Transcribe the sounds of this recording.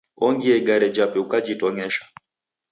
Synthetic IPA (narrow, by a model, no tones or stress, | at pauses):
ɔŋɡiɛɡaɾɛd͡ʒapɛukad͡ʒitɔŋɛʃḁ